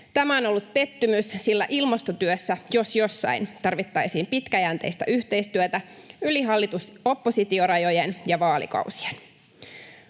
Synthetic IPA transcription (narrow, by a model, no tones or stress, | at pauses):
t̪æmæo̞no̞lːut̪̚pe̞t̪ːymyssilːæʔilmɑst̪ot̪yøsːæjo̞sjo̞sːɑ̰int̪ɑrʋit̪ːɑjsiːmpit̪kæjænt̪e̞jst̪æ̰ʔyht̪e̞ijst̪yøt̪æ | yliɦɑlːit̪uso̞pːosit̪io̞ɾɑjo̞jenjɑʋɑːlḭkɑ̰uwsi̥en